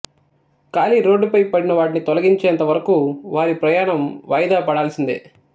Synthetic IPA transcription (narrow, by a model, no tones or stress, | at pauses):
kaːliɾo̞ːɖːupɐjpɐɽinɐʋaːʈ̬init̪ɔlɐɡiɲt͡ʃɛːɐnt̪ɐʋɐɾɐkuʋaːɾipɾɐjaːɳɐmʋɐjd̪aːpɐɽaːlɐsind̪ḭ